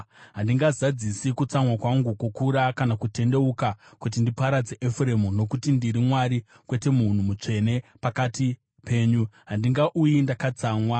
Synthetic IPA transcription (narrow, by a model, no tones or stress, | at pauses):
ɦandiŋɡazad͡zisikut͡samwakwaŋɡukukuɾakanakute̞nde̞ukakut̬indipaɾad͡zeʔefure̞muno̞kutindiɾimwaɾi | kwe̞te̞mun̤umut͡ʂe̞ne̞pakati | pe̞ːɲuɦandiŋɡaʔujindakat͡saːmwa